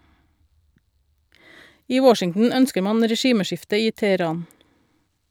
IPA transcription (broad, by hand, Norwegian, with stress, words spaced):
ˈiː ˈwɔʃɪŋn̩ ˈœnskəɾ ˈmɑn ɾɛˈʃiːməˌʃɪftə ˈiː tɛəˈɾɑːn